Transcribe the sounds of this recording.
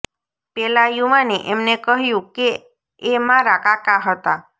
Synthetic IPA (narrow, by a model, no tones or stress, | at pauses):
pɛlajumaneʔemnekəɦjũkeː | mãɾakakaɦət̪a